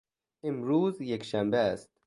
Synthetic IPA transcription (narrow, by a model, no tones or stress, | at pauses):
emɾuːzjekʃæmbeæst̪